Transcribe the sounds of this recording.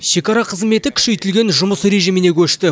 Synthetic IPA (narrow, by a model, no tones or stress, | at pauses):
ʃe̞kɑɾɑqʰəzme̞t̪ɪkʲʰʏ̥ʃejt̪ɪlɡʲe̞nʒʊməsɾe̞ʒijmɪne̞kʲʰɵʃt̪ɪ